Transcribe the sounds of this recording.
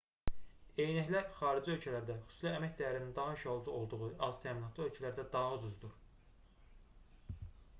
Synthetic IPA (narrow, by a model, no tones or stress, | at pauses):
e̞jnæçlæxɑːɾid͡ʒiø̞lcʰælæɾd̪æχy̥su̥slæːmæçd̪æjæɾinind̪ɑɦɯʃolˠd̪ɑo̞lˠd̪uʁuʔɑzt̪ʰæːminɑt̪ʰlˠiø̞lcʰælæɾd̪æd̪ɑɦɯd͡ʒyzd̪uɾ